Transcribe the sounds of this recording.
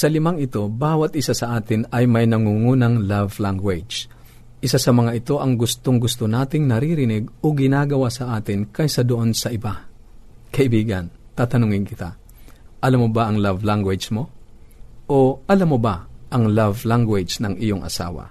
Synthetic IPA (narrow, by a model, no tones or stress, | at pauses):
sɐlɪmaŋɪt̪o̞baːwɐt̪̚ʔɪsasɐʔaːt̪ɪnɐjmɐjnɐŋuŋuːnɐŋlavlaŋɡwɛd͡ʒ | ʔɪsasɐmɐŋaʔɪt̪o̞ʔɐŋɡʊst̪oŋɡʊst̪onaːt̪ɪŋnɐɾiɾɪnɪɡoɡɪnaːɡɐwasɐʔaːt̪ɪnkɐjsɐd̪oʔonsɐʔɪba | kɐʔɪbiːɡɐnt̪aːt̪ɐnʊŋɪŋkɪt̪a̰ | ʔɐlamobaʔɐŋlavlaŋɡwɛd͡ʒmo̞ | ʔoʔɐlamobaʔɐŋlavlaŋɡwɛd͡ʒnɐŋʔɪjoŋʔɐ̰sa̰ːwa̰